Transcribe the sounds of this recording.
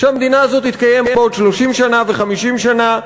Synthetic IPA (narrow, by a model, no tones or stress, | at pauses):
ʃeamd̪inaːzo̞t̪hit̪kaje̞mbeo̞d̪ʃloʃimʃanave̞χamiʃimʃana